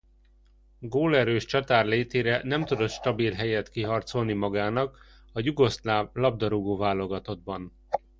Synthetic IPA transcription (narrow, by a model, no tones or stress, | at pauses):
ɡoːlɛɾøːʃt͡ʃɒt̪aːrleːt̪eːɾɛnɛmt̪ud̪o̞t̪ʃt̪ɒbilɦɛjɛt̪kiɦɒrt̪so̞lnimɒɡaːnɒk | ɒjuɡo̞slaːvlɒb̚d̪ɒɾuɡoːvaːlo̞ɡɒt̪o̞d̪bɒn